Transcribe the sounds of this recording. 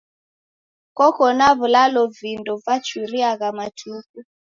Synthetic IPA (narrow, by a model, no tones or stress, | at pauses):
kɔkɔnaβulalɔvindɔvat͡ʃuɾiaɣamatʰuku